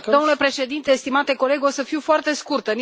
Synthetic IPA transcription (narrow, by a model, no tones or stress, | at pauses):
d̪onule̞pɾe̞ʃe̞d̪int̪e̞ːst̪imat̪e̞ko̞le̞ɡosəfiwfoart̪e̞skurt̪ən